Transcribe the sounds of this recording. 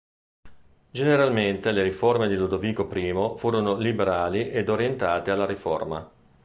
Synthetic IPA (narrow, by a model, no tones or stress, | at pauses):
d͡ʒeneɾalment̪eleɾiformed̪ilud̪oviːkopɾiːmofuːɾonolibeɾaːliʔed̪oɾjent̪aːt̪ealːaɾifo̰rma̰